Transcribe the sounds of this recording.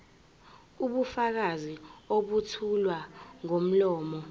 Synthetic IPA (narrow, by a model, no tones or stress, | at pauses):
uɓufak̬azioɓutʰulwaŋom̩lɔːmɔ